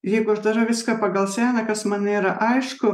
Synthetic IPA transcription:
jɛɪɡʊɐʒd̪ɐɾɐʋʲɪskɐpɐɡɐlˠsʲæːnɐkɐsmɐnʲeːɾɐʔɐɪʃkʊ

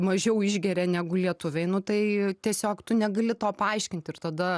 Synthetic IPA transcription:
mɐʒʲɛʊɪʒʲɡʲɛɾʲɛnʲæːɡʊlʲiɛt̪ʊʋʲɛɪnʊt̪ɐɪt̪ʲiɛsʲoːkt̪ʊnʲɛɡɐlʲɪt̪oːpɐɐɪʃʲkʲɪnʲt̪ʲɪɾt̪ɐd̪ɐ

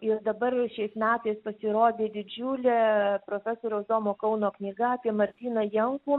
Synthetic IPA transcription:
ɪɾd̪ɐbɐrʃʲɛɪsmʲæːt̪ɐɪspɐsʲɪɾoːd̪ʲeːd̪ʲɪd͡ʒʲʊːlʲɛːpɾoːfʲæsoːɾʲɛːzoːmoːkɐʊnoːknʲiːɡɐɑːpʲiɛmɐɾʲt̪ʲiːnɐjɛŋkuː

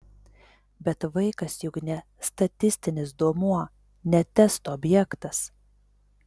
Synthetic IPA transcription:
bʲɛt̪ʋɐɪkɐsjʊknʲɛ | st̪ɐt̪ʲɪsʲt̪ʲɪnʲɪsd̪uɔmuɔ | nʲɛt̪ʲɛst̪oːbʲjɛkt̪ɐs

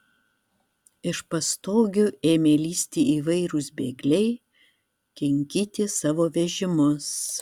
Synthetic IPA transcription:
ɪʃpɐst̪oːɡʲʊeːmʲeːlʲiːsʲt̪ʲiːiːʋɐɪɾʊsbʲeːɡlʲɛɪ | kʲɛŋʲkʲiːt̪ʲɪsɑːʋoːʋʲɛʒʲɪmʊs

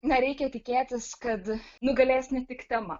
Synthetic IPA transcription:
nɐɾʲɛɪkʲɛt̪ʲɪkʲeːt̪ʲɪskɐt̪nʊɡɐlʲæːsʲnʲɪt̪ʲɪkt̪ʲɛmɐ

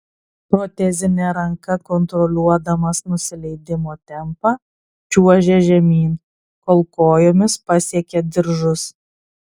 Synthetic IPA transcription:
pɾɔt̪ʲɛzʲɪnʲɛɾɐŋkɐkɔnt̪ɾɔlʲuɔd̪ɐmɐsnʊsʲɪlʲɛɪd̪ʲɪmoːt̪ʲɛmpɑː | t͡ʃʲuɔʒʲɛʒʲɛmʲiːn | koːlˠkoːjoːmʲɪspɐsʲiɛkʲɛd̪ʲɪɾʒʊs

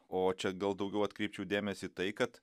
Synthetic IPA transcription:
oːt͡ʃʲɛɡɐlˠd̪ɐʊɡʲɛʊɐt̪kɾʲɛɪp̚t͡ʃʲɛʊd̪ʲeːmʲɛsʲɪt̪ɐɪkɐt̪

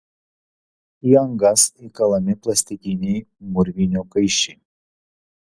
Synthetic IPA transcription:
iɐŋɡɐsikɐlˠɐmʲɪplˠɐsʲt̪ʲɪkʲɪnʲɛɪmʊɾʲʋʲinʲuːkɐɪʃʲɛ

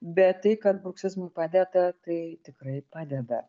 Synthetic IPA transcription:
bʲɛt̪t̪ɐɪkɐt̪̚bʊksʲɪzmɐɪpɑːd̪ʲɛd̪ɐt̪ɐɪt̪ʲɪkɾɐɪpɑːd̪ʲɛd̪ɐ

